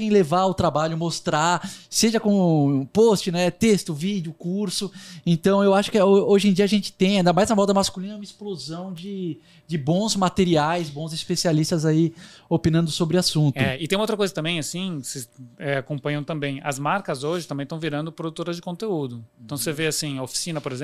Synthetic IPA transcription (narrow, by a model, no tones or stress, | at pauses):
ẽj̃levaʊt̪ɾabaʎʊmost̪ɾaɾseʒɐkõpost͡ʃɪnɛt̪est̪ʊvid͡ʒɪʊkuɾsʊẽnt̪ɐ̃w̃ewaʃʊ̥kɪooʒẽd͡ʒiɐaʒẽnt͡ʃɪ̥t̪ẽj̃d̪amajznɐmɔd̪ɐmaskulĩnɐũmɐɪsplozɐ̃w̃d͡ʒɪ | d͡ʒɪbõzmat̪eɾiajzbõzɪspesialist̪ɐzaiopĩnɐ̃nd̪ʊsobɾɪasũnt̪ʊɛɪt̪ẽjumowt̪ɾɐkojzɐt̪ɐ̃mbẽj̃asĩseɛakõpɐ̃ɲɐ̃w̃t̪ɐ̃mbẽj̃ɐ̰zmaɾkɐzoʒɪt̪ɐ̃bẽj̃t̪ɐ̃w̃viɾɐ̃nd̪ʊpɾod̪ut̪oɾɐzd͡ʒɪkõnt̪eud̪ʊẽnt̪ɐ̃w̃seveasĩɐofi̥sĩnɐpoɾezẽ